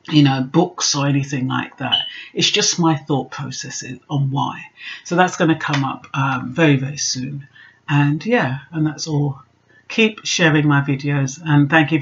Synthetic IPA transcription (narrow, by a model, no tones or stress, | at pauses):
jɨnoʊbʊksə˞ɛñiθɪ̃ŋla̰ɪk̚ðæ̰t̚ɨtzd̥ʒ̥ʌstmaɪθɔˑt̚pʰɹ̥oʊsɛsɪ̰zə̃nwa̰ɪsoʊðætsɡ̥ʌñɨkʰʌ̃mʌ̰pʌ̃mvɛɹivɛɹisʉ̃n | ə̃njæə̃nðætsɔlˠ | kʰipʃɛɹɪ̃ŋmaɪvɪdioʊzə̃nθæ̃ŋkjʉ